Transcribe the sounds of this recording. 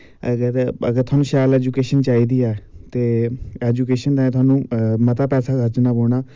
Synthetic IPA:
əɡəɾəɡəɾt̪ʰʊaːnũːʃɛːlɛːd͡ʒuːkeːʃənt͡ʃaːiːd̪iːɛːt̪eːɛːd͡ʒukeːʃənt̪ãːẽːt̪ʰʊaːnũːmət̪aːpɛːsaːət͡ʃnaːboːɳ̃aː

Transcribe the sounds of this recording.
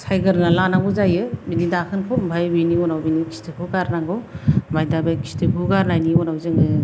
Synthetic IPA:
sʰajɡɯɾnalanaŋɡuzajɯbinidakʰɯnkʰɔbʱajbiniɔnawbinikʰi̥stɯkʰɯɡaɾnaŋɡɔbʱajdabejkʰi̥stʰɯkʰɯɡaɾnajniɔnawzɯŋɯ

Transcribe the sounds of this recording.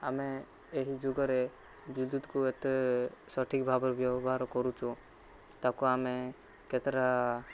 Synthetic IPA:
ameː | ɦid͡ʒuɡɔɾe | bud̪ud̪kuet̪esɔʈʰikbʱabɔɾbjɔbɔbʱaɾkɔɾut͡ʃʰu | t̪akuame | ket̪ɾa

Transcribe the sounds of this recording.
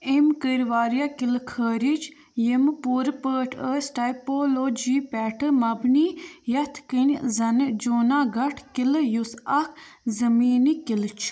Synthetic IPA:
emkəɾʋaːɾijakilkʰəːɾit͡ʃʰ | jempuːɾpəːʈʰəːsʈajpoːloːd͡ʒiːpʲɛːʈʰɨmɐbniːjɐt̪ʰkinʲzɐnd͡ʒoːnaːɡɐʈʰkiljusɐkʰzɐmiːnikilt͡ʃʰ

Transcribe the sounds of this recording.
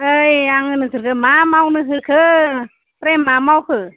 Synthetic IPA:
əjaŋɯnɯsɯɾkʰɯmamawnɯɦɯkʰɯ | pɾɛmːamawkʰɯ

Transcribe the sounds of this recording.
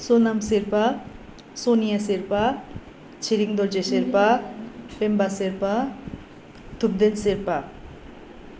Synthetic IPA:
sonamseɾpa | sonijaseɾpa | t͡ɕʰiɾiŋd̪ɔɾd͡ʑeseɾpapembaseɾpa | t̪ʰub̚d̪enseɾpa

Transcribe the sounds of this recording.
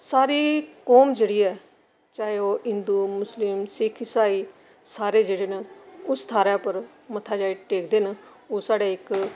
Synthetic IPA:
saːɾiːkɔːmd͡ʒeːɽiːɛː | t͡ʃaːeoːɪ̃nd̪uːmʊslɪmsɪkʰɪsaːiː | saːɾeːd͡ʒeːɽeːnəʊst̪ʰaːɾaːpəɾ | mət̪ʰaːd͡ʒaːiʈeːkʰd̪eːn | oːsaːɽeːɪk

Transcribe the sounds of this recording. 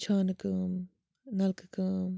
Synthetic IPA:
t͡ʃʰaːnɨkɨ | nɐlkɨkɨ

